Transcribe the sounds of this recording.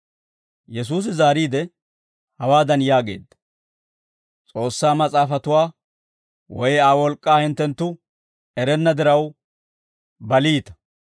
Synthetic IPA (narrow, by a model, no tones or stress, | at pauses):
jɛs̬uːs̬ɪzaːɾiːd̪ɛ | hɐwaːd̪ɐnjaːɡe̞̰ːd̪ːɐ̥ | t͡sʼo̞ːsːaːmɐt͡sʼaːfɐt̪ʊwaː | wɔjaːwɔlkʼːaːhɪnt̪ːɛnt̪ːʊ | ɛɾɛnːɐd̪ɪɾɐw | bɐliːt̪ɐ̥